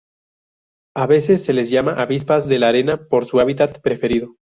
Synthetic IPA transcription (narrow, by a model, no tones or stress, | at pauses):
aβe̞se̞sːe̞lezʝamaʔaβispazðe̞laɾe̞napo̞ɾsuaβit̪at̪pɾe̞fe̞ɾiðo